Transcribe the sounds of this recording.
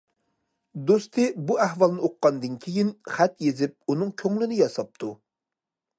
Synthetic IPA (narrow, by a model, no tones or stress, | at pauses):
d̪ost̪ʰɨbuæhvɑlˠnɨoqːɑnd̪ɨnkʲʰejinχæt̪jezɪp̚unɨŋkʲʰøŋlɪnɪjɑsɑp̚t̪ʰu